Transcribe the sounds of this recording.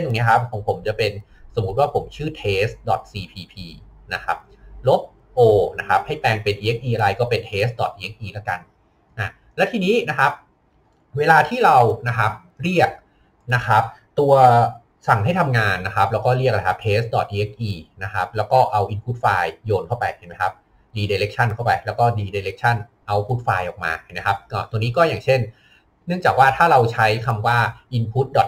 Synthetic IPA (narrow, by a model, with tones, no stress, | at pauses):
t̪o˨˧ŋni˦˥kʰa˦˥p̚kʰɔː˨˧˦ŋpʰo˩˦mt͡ɕa˨˩pe˧n | so˨˩˦mu˦˥t̪̚waː˥˩pʰo˩˦mt͡ɕʰɯː˥˩t̪ʰeː˦˥sdɔ̰˨˩t̪̚siː˧pʰiː˧pʰiː˧na˦˥kʰa˦˥p̚ | lo˦˥p̚ | ʔoː˧na˦˥kʰa˦˥p̚ha˥˩jpɛː˧ŋpe˧nʔi˧ʔe˦˥k̚ʔiː˧ʔa˧ɾa˧jkɔː˥˩pe˧nt̪ʰeː˦˥s̚dɔ̰˨˩t̪ʔi˧e˦˥k̚ʔiː˧˩laː˦˥˩ka̰˧n | ʔa˧˩ | lɛ˦˥wt̪ʰiː˧niː˦˥na˦˥kʰa˦˥p̚ | weː˧laː˧t̪ʰiː˥˩ɾa˧wna˦˥kʰa˦˥p̚ | ɾi˥˩ək̚ | na˦˥kʰa˦˥p̚t̪u˧ɐ | sa˨˩ŋha˥˩jt̪ʰa˧mŋaː˧nːa˦˥kʰa˦˥p̚lɛː˦˥wkɔː˥˩ɾi˥˩k̚a˦˥kʰa˦˥pʰeː˦˥s̚dɔ̰˨˩t̪̚ʔi˧e˦˥k̚ʔiː˧na˦˥kʰa˦˥p̚lɛː˦˥wkɔː˥˩ʔa˧wʔi˧npʰu˦˥t̪̚faː˧jjoː˧nkʰa˥˩wpa̰˧jt͡ɕʰa˥˩ma˦˥jkʰa˦˥p̚ | diː˧deː˧ɾe˦˥k̚t͡ɕʰa˥˩nkʰa˥˩wpa̰˧jlɛː˦˥wkɔː˥˩diː˧deː˧ɾe˦˥k̚t͡ɕʰa˥˩n | ʔa˧wpʰu˦˥t̪̚faː˧jʔɔ̰ː˨˩k̚ma̰ː˧˩ma˦˥kʰa˦˥p̚kɔː˥˩t̪o˧niː˦˥kɔː˥˩jaː˨˩ŋt͡ɕʰe˥˩n | nɯ˥˩əŋt͡ɕaː˨˩k̚waː˥˩t̪ʰaː˥˩ɾa˧wt͡ɕʰa˦˥jkʰa˧mwaː˥˩ʔi˧npʰu˦˥t̪̚dɔ˨˩t̪̚